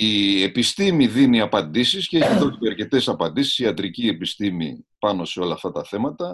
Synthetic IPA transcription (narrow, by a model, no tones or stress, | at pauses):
ie̞pist̪imiðiniɐpɐnd̪isisceeçiðo̞sieɐɾce̞t̪e̞sɐpɐnd̪isi̥siɐt̪ɾicie̞pist̪imḭpɐno̞se̞o̞lɐːft̪ɐt̪ɐθe̞mɐt̪ɐ